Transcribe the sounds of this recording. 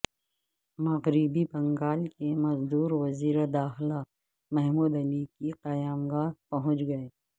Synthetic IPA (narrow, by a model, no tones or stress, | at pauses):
mɐɣɾibibɐ̃ŋɡaːlkemɐzd̪uːɾʋɐziːɾed̪aːxla | mɛɦmuːd̪ɐlikiqɐjaːmɡaːpɐɦʊ̃t͡ʃɡɐeː